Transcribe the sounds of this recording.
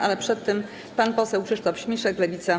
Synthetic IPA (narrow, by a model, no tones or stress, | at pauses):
ʔalɛpʂɛt̪ːɛm | panpɔsɛwkʂɘʂt̪ɔfɕmʲiʂɛklɛvʲit̪sa